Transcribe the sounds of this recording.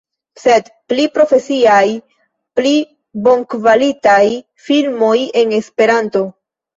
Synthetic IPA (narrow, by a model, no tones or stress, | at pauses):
se̞dplipɾo̞fe̞siaj | pli | bo̞ŋkvalitaj | filmo̞je̞ne̞spe̞ɾanto̞